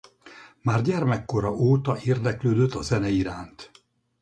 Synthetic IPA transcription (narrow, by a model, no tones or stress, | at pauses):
maːrɟɛrmɛkːo̞ɾɒʔoːt̪ɒʔeːrd̪ɛkløːd̪øt̪ːɒzɛnɛiɾaːnt̪